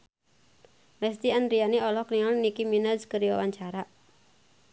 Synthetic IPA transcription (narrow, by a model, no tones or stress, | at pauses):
lɛst̪ianɾianiɔlɔkniŋɔnnikiminaskəɾiwa̰waɲt͡ʃaɾaʔ